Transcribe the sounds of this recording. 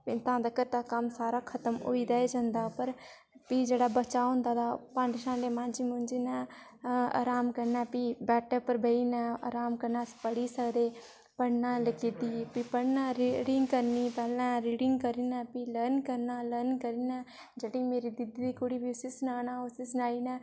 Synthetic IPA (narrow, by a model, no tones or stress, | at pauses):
pɪt̪ãːd̪akəɾt̪aːkəmsaːɾaːkʰət̪əmo̰ːiːd̪aːed͡ʒãːnd̪aːpəɾ | piːd͡ʒeːɽaːbət͡ʃaːɦʊ̃nd̪aːd̪aːpãːnd͡ʒʃãːleːmãːd͡ʒiːmʊ̃nd͡ʒiːnɛː | a̰ːɾaːmkəɾnɛːpiːbɛːʈəɾpəɾbəiːnãːa̰ːɾaːmkəɾnaːspəɽiːsəkd̪eː | pəɽnãːləkiːt̪iːpipəɽnãːɾɽɪŋɡkəɾniːpɛːlãːɾiːɽɪŋɡkəɾiːnɛːpiːləɾnkəɾnaːləɾnkəɾiːnãː | d͡ʒeːɽĩːmeːɾiːd̪ɪd̪d̪iːkʊɽiːbiosisʊnaːnãːosisʊnaːiːnɛː